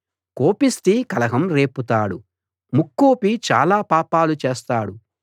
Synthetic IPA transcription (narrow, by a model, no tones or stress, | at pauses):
koːpist̪ikɐlɐɦɐmɾe̞ːput̪aːɽu | mukːoːpit͡ʃa̰ːlaːpaːpaːlut͡ʃeːst̪aːɽu